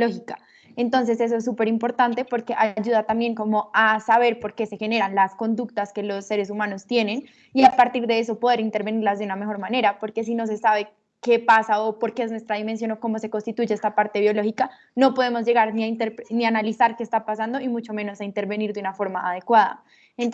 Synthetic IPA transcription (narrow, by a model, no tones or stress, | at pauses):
lo̞xika | e̞nt̪o̞ns̬e̞se̞s̬oes̬ːupe̞ɾimpo̞ɾt̪ant̪e̞po̞ɾke̞ʔaʝuðat̪ambje̞ŋko̞mo̞asaβ̞e̞ɾpo̞ɾke̞se̞xe̞neɾanlasko̞nd̪uk̚t̪aske̞lo̞sːe̞ɾe̞s̬umano̞st̪je̞ne̞n | iapaɾt̪iɾd̪e̞e̞s̬o̞poð̞e̞ɾint̪e̞ɾβe̞niɾlazd̪euname̞xo̞ɾmane̞ɾapo̞ɾke̞s̬ino̞s̬e̞saβe̞ | ke̞pasaopo̞ɾke̞eznwe̞st̪ɾaðimensjo̞no̞ko̞mo̞se̞konst̪it̪uʝeest̪apaɾt̪e̞βjo̞lo̞xika | no̞po̞ð̞e̞mo̞zd͡ʒe̞ɣaɾniaint̪eɾpnianalisaɾke̞ːst̪apasand̪o̞imut͡ʃo̞mẽ̞no̞saint̪e̞ɾβe̞niɾd̪unafo̞ɾmaːð̞e̞kwaða̰ | en